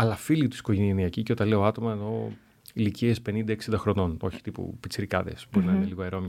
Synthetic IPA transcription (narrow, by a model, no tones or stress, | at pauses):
ɐlɐfilit̪u̥si̥koʝenieniɐciceot̪ɐle̞oɐt̪o̞mɐeno̞ | iliciespe̞nind̪ɐeksind̪ɐxɾo̞no̞no̞çi̥t̪ipṵpit͡siɾikɐ̰ðe̞̰sbo̞ɾinɐineliɣoeɾo̞m